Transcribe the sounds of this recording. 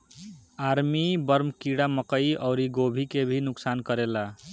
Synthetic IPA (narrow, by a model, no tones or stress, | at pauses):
aɾmibəɾmkiɽaməkəiʌʊɾiɡobʱikebʱinʊksankəɾela